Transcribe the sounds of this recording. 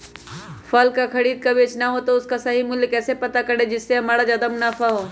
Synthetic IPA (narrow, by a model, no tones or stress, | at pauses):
fɐlkakʰɐɽiːd̪̚kɐʋeːt͡ʃnaɦot̪oʊskasɐɦimʊljəkɛːsepɐt̪akɐɽed͡ʒɪsːeɦɐmaːɽad͡ʒad̪əmnaːfaɦoː